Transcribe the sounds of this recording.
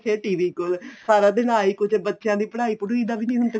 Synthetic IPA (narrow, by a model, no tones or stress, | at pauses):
sʰeːʈiːʋiːkolsaːɾaːd̪ɪnaːiːkʊt͡ʃebətːʃjãːd̪iːpəɽaːiːpʊʈiːd̪aːbiːnĩːɦʊnt̪e